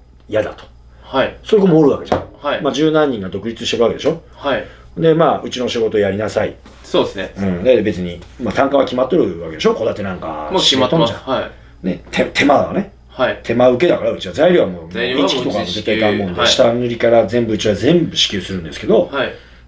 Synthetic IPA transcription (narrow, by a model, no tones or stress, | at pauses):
jad̪at̪o̥ | haso̞ɾeɡomoːɾɯ̟βake̞d͡ʑa̰mad͡ʑɨːnãɲ̟ːĩŋɡad̪o̞kɯ̟ɾʲit͡sɨɕi̥t̪e̞ɾɯ̟ake̞d̪e̞ɕo | ha | hnd̪e̞maːɯ̟t͡ɕino̞ɕiɡo̞t̪o̞ːjaɾʲinasai | sosnɯ̟̃ɴd̪ebe̞t͡sɨɲ̟imat̪ãŋkaβakʲimat̪ːo̞ɾɯ̟βake̞d̪e̞ɕo̞ko̞d̪at̪e̞nãŋka̰it̪ːõd͡ʑã̰ | ne̞t̪ʰet̪ʰe̞maβa̰ne̞ | hat̪ʰe̞maɯ̟ke̞d̪akaɾaɯ̟t͡ɕiβazaiɾʲiβamoːĩt͡ɕikit̪o̞kat̪oset̪ːeik̪ãmːõnd̪eɕi̥t̪anɯ̟ɾʲikaɾazẽ̞mbɯ̟ɯt͡ɕiβazẽ̞mbɯ̟ɕi̥kʲɨːsɨɾɯ̟̃nd̪e̞sɨ̥ke̞d̪o̞